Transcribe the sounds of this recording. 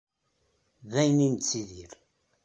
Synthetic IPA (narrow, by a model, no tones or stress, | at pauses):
ðæjnint͡sːiðiɾ